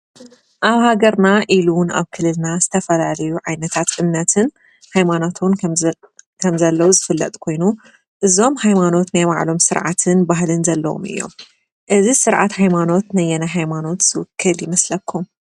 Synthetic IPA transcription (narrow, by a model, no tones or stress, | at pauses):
ʔaβhaɡɐɾnaʔiluna̰βkʰɨlɨlnazɨt̪ʰɐfɐlalɐjuʕajnɐt̪ʰat̪ʔɨmnɐt̪ʰɨn | hajmanot̪ʰun | kʰɐmzɐlːɐwuzɨfɨlːɐ̰t̪ʼkʰo̞jnu | ʔɨzo̞mhajmano̞t̪najβa̰ʕlo̞msɨɾʕa̰t̪ʰɨnbaɦlɨnzɐlːɐwo̰mɨ̰jːo̰m | ʔɨzisɨɾʕat̪hajmano̞t̪nɐjːɛnaɦajmano̞t̪z̥ɨwʊkʰːɨljɪmɐslɐkʰːum